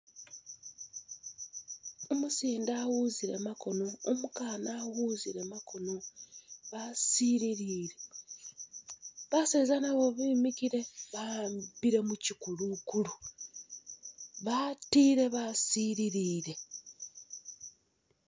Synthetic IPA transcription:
o̞musiːndaːwuziɾe̞̰mako̞noːmukaːnaːwuːziɾe̞mako̞noβasiːɾiɾiːɾe̞ | βaseːzanaβo̞βiːmiciɾe̞βaambiɾe̞mucikulukulu | βatiːɾe̞βasiːɾiɾiːɾe̞

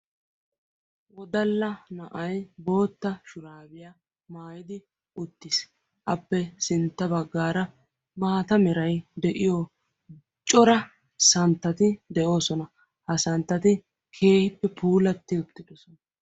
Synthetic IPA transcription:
wɔd̪ɐlːɐnɐʔɐjbo̞ːt̪ːɐʃʊɾaːbɪja | maːjɪd̪ɪ | ʔʊt̪ːɪs | ʔɐpːɛsɪnt̪ːɐbɐɡːaːɾɐ | maːt̪ɐmɛɾɐjd̪ɛʔɪjo | t͡ʃʼɔɾɐ | sɐnt̪ːɐt̪ɪd̪ɛʔo̞ːsɔnɐ | hɐsɐnt̪ːɐt̪ɪ | kʰe̞ːhɪpːɛpʰuːlɐt̪ːɪʊt̪ːɪd̪ɔsɔnɐ

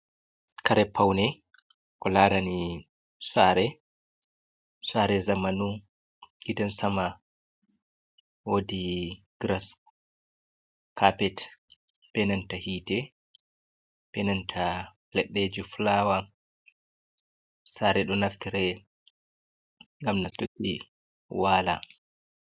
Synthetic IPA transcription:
kaɾɛpʰːawnɛ | kɔlaːɾani | saɾɛ | swaɾɛzamanu | ɡidɛnsama | wodi | ɡ̥ɾas | kʰapɛt | pɛnantahiːtɛ | pɛnantʰa | lɛɗːɛd͡ʒuflaːwa | saːɾɛɗɔnaftiɾɛ | ŋɡamnatokːi | waːla̰

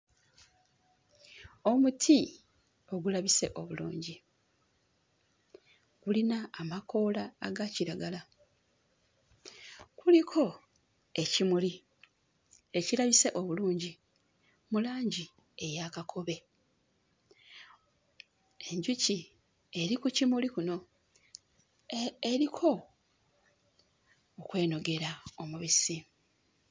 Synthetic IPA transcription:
o̞mutʰi | o̞ɡulaβise̞ʔo̞βulṵːɲɟi | ɡ̥ulinaːmako̞ːlaːɡaciɾaɡala | kulikʰo̞ | e̞cimuli | e̞cilaβise̞ʔo̞βuluːɲɟi | mulaːɲɟi | e̞jakakʰo̞βe̞ | e̞ɲɟuci | e̞ɾikucimulikuno̞ | eɾikʰo̞ | kwe̞ːno̞ɡe̞ɾao̞muβisi

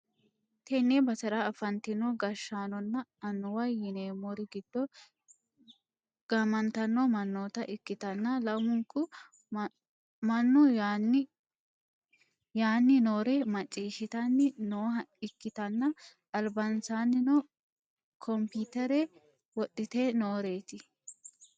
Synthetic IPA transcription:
t̪ɛnːebɐsɐɾaɐfɐnt̪ɪnːɔɡɐʃːaːnɔnːɐɐnːɔwɐjːɪneːmɔɾɪɡɪd̪̥ːɔ | ɡ̥ɐmɐnt̪ɐnːɔmɐnːoːt̪ɐʔɪkːɪt̪ɐnːɐlɐmʊŋkːʊ | mɐnːɔn | jaːnːɪnoːɾɛmɐt͡ʃʼːiːʃɪt̪ɐnːɪnoːɦɐɪkːɪt̪ɐnːɐʔɐlbɐnsaːnːɪnɔ | kʰɔmpit̪ɛɾɛ | wɔɗːɪt̪eːnoːɾe̞ːt̪ɪ

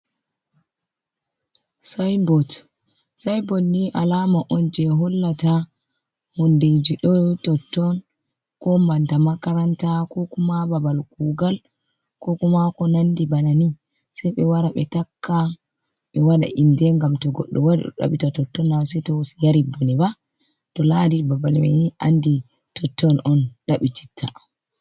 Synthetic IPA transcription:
sajbɔt | sajbɔtːiʔalamaʔɔnd͡ʒɛɦɔlːata | hɔnded͡ʒiɗɔtɔtːɔn | kɔmbantamakaɾantakɔkumababalkuɡal | kɔkumakɔnandibanani | sɛjɓɛwaɾaɓɛtakʰːa | ɓɛwaɗa̰ʔindɛŋɡamtɔɡɔɗːɔwadḭɗɔ̰ɗa̰ɓitatɔtːɔnːasɛtɔsjaɾibːɔniba | tɔladibabalmḛniʔandi | tʰɔtːɔnʔɔnɗaɓiti̥tʰːa

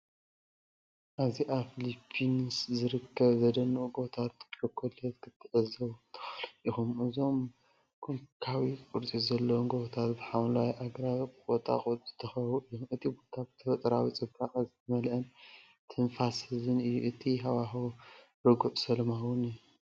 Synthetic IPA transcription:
ʔaβziʔaβfilipʰːinɨszɨɾɨkʰːɐβzɐd̪ɐnːuuɡo̞t̪ʰat̪ɐkʰolɐt̪kʰɨt̪ʰːɨʕɨzɐwt̪ʰɨ̥xɐlixumʔɨzo̞m | kʰomikʰawikʼuɾt͡sʼizɐlːɐwnɡot̪ʰat̪bɨħamlawiʔaɡɾaɨkʼot̪ʼa̰kʼt̪ʼz̥ɨ̥t̪ʰːɐxɐwuʔɨjːomʔɨt̪ʰibo̞t̪ʰabɨt̪ʰɐfɐt̪ʼɐɾawit͡sʼɨbakʼzɨt̪ʰɐmɐlʔɐn | t̪ʰɨnfashɨzɨnɨjːuʔɨt̪ʰiɦaβaɦ | ɾɨɡuʔsɐlmawunɨjːu

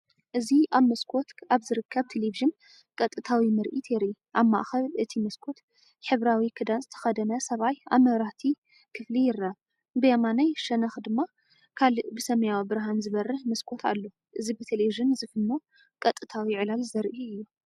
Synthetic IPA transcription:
ʔɨziaβmɐskʰo̞t̪aβzɨɾɨkʰːɐβt̪ʰeleviʒɨn | kʼɐt̪ʼɨt̪ʰawimɨɾʔit̪ʰjɛɾi | ʔaβma̰ʔxɐβʔɨt̪ʰimɐskʰo̞t̪ | ħɨβɾawikʰɨd̪anzɨt̪ʰɐ̥xɐd̪ɐnɐsɐβaja̰βmɐβɾaht̪ʰi | kʰɨflijɪɾːaβ | bɨjamanajʃɐnɐxd̪ɨmːa | kʰalɨʔbɨsɐmɐjawbɨɾɦanzɨβɐrːɨħmɐskʰo̞t̪ʰa̰lːo̞ | ʔɨzibɨt̪ʰeleβiʒɨnzɨfɨnːo | kʼɐt̪ʼːɨt̪ʰawiʕɨlalzɐɾʔuɨjːu

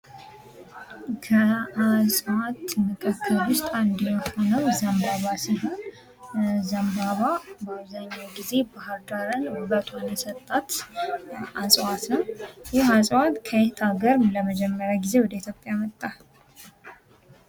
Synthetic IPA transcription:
kʰəasʼwat̪mɨkʰɨkʰːɨlwʊst̪ʼand̪jɛho̞nəwzəmbaβasiɦon | zəmbaβabaβzaɲːawɡize̞bahəɾd̪aɾənwbət̪ʰunəsət̪ʼːat̪ | ʔasʼwat̪nəwjɪhasʼwat̪kʰəet̪ʰaɡəɾləməd͡ʒɛmːəɾjaɡize̞wɔd̪əit̪jo̞pʼjamət̪ʼːa

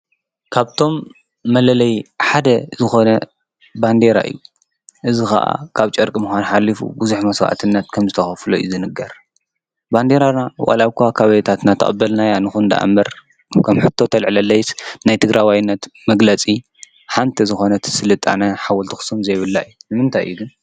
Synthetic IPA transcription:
kʰaβt̪ʰo̞mː | ɐlɐlɐjħad̪ɐzɨxo̞nɐ | band̪eɾa̰ʔɨ̰jːu | ʔɨzixɐ̰ʔa̰kʰaβt͡ʃʼɐɾkʼmɨxʷanħalːifṵbuzuħmɐswa̰ʔa̰t̪ʰɨnːɐt̪kʰɐmzɨt̪ʰɐxɐflojizɨnɨɡɐɾ | band̪e̞ɾanawʔʼɐ̰laβkʰʷakʰaβɐjɛt̪ʰat̪nat̪ʰɐ̰kʼɐbːɐlnajanɨxund̪a̰ʔa̰mːɐɾ | kʰɐmħɨt̪ʰːo̞t̪ʰɐlʕlɐlːɐjsnajt̪ʰɨɡɾʔawajnːɐt̪mɐɡlɐt͡sʼi | ħant̪ʰɐzɨxo̞nɐt̪ʰsɨlɨt̪ʼːa̰nɐħawɔlt̪ʰixɨ̥sumzɐjβɨlːaɨjːunɨmɨnt̪ʰajɨ̰jːuɡɨn

